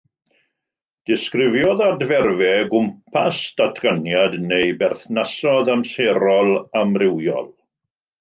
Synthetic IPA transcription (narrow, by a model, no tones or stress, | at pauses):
d̥ɪskrɪvjɔðadvɛrvɛɡʊmpʰasd̥atʰɡ̥anjadnejbɛrθnasɔðamseɾɔlˠamrɪwjɔ̰lˠ